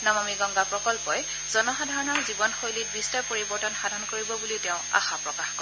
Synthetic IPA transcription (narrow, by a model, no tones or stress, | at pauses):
nɔmɔmiɡɔŋɡapɹɔkɔlpɔj | zɔnɔxadʱaɹɔnɔɹzibɔnxojlit̚bistapoɹibɔɹtɔnxadʱɔnkoɹibɔbuliʊtɛʊ̃a̰xapɹɔkaxkɔ